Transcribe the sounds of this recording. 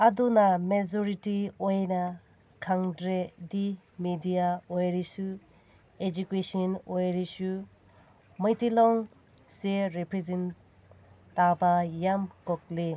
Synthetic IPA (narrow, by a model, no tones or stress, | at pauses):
adunamed͡ʒɔɾitiojna | kʰaŋdɾedi | midijaojɾisu | ed͡ʒukesɔnojɾisu | mɐjtilɔŋ | seɾepɾezen | tːabajamkɔk̚li